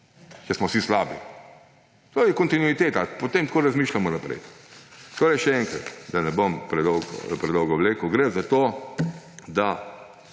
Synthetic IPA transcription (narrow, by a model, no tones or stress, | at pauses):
t͡ʃɛsmɔsislaːbi | t̪oːjɛkɔnt̪inuit̪eːt̪apɔt̪eːmt̪koːɾazmiːʃlʲamɔnapɾɛ̰jt̪koːɾɛjʃɛɛŋkɾɐ̰t̪d̪anɛbompɾɛd̪ɔwɡɔ̰pɾɛd̪ɔwɡɔwleːkʊɡɾezat̪o | d̪a